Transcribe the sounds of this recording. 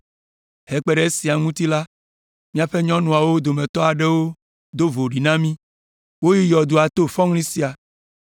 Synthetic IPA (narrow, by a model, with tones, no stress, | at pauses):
he˦k͡pe˦ɖe˦e˦si˨a˨ŋũ˦t̪i˦la˦ | mĩ˦a˨ɸe˦ɲɔ̃˦nũ˨a˨wo˦d̪o˨mẽ˨t̪ɔ˦a˨ɖe˦wo˦ | d̪o˦vo˨ɖi˨nã˦mĩ˦ | wo˦ji˦jɔ˨d̪o˨a˨t̪o˦fɔ̃˦ŋlĩ˦si˦a˨